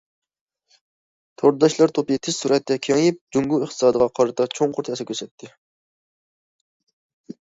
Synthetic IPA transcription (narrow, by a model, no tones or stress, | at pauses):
t̪ʰoɾd̪d̪ɑʃlˠɑɾt̪ʰopit̪ʰɪssuɾɛt̪ːɛkʲʰeŋip̚d͡ʒuŋɡuɪχt̪ʰɨ̥sɑːd̪əʁɑqʰɑɾɨt̪ʰɑt͡ʃʰoŋqʰoɾt̪ʰɛsɛkʲøsɛt̪ʰːɪ